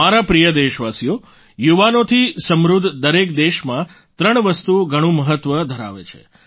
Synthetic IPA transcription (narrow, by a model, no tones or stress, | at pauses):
aɾapɾijəd̪eʃʋasijo | juʋanot̪ʰisəmɾud̪ʱd̪əɾekd̪eʃmã | t̪ɾəɳ̃ʋəst̪uoɡʱəɽ̃ũməɦət̪ʋəd̪ʱəɾa̰ʋḛt͡ʃʰḛ